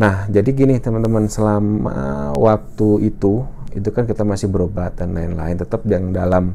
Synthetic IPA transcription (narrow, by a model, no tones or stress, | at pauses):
nahd͡ʒadiɡinɪht̪əmənt̪əmansəlama̰wak̚t̪uit̪uit̪ukankit̪amasɪhbəɾobat̪anlaɪnla̰ɪnt̪ət̪əp̚diaŋdalam